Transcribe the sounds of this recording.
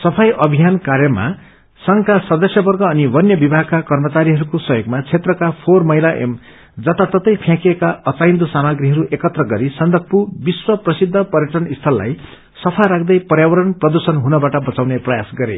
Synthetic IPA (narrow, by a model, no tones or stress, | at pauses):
sʌpʰajʔʌbʱijankaɾjʌma̰ | sʌŋkasʌd̪ʌsjʌbʌrɡʌːnibʌnjʌbibʱaɦkakʌrmʌt͡saɾiɦʌɾukosʌɦjoɡmat͡sʰet̪rʌkapʰormʌɦilaʔḛm | d͡zʌt̪at̪ʌt̪ʌjpʰjãkiekaʌt͡sajnd̪usamaɡɾiɦʌɾuʔekʌt̪rʌɡʌɾisʌnd̪ʱʌk̚pubiswʌprʌsid̪ʱːʌpʌɾjeʈʌnist̪ʰʌlːa̰j | sʌpʰaɾakʰd̪ʌjpʌrjawʌɾʌnprʌd̪ursʌnɦunʌbaʈʌbʌt͡sawneprʌjasɡʌɾḛ